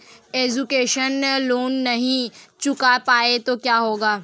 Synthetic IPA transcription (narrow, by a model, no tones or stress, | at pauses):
eːd͡ʒukeːʃənloːnːɐɦĩt͡ʃʊkapaːet̪okjaːɦoːɡaː